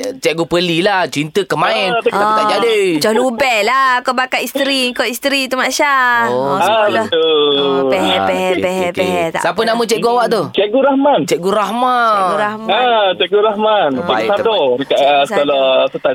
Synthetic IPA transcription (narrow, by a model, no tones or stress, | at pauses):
t͡ʃɛʔ̚ɡupəlilaht͡ʃint̪əkəmaɛnat̪ad͡ʒadit͡ʃɔhlubɛlakobakaʔist̪ɾiŋkɔist̪ɾit̪umaʃaoaɔupɛɛpɛɛpɛɦɛkeɦɛt̪a̰ʔsapənamə̃t͡ʃɛʔɡuawaʔt̪ut͡ʃɛʔ̚ɡuɾahmant͡ʃɛʔɡuɾahmaɡuɾahmat͡ʃɛʔɡuɾahmansat̪ɔdəkaʔəsəkolɔsət̪a